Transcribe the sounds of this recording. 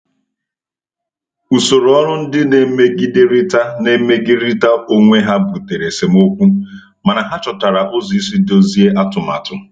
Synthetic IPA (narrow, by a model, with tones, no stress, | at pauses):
u˨so˨ɾɔ˦ɾʊ˦n̩˦dɪ˦ne˨˦me˦ɡi˦de˦ɾi˦ta˦ne˨˦me˦ɡɪ˦ɾi˦ta˦o˦ŋʷe˦ɦa˦bu˨te˨ɾe˨se˨mo˦kʷu˦ | ma˨na˨ɦa˦t͡ʃɔ˨ta˨ɾa˨ʔo˦zi˨˦i˦si˦do˦zi˦e˦ʔa˦tʊ˨ma̰˨tʊ˨˦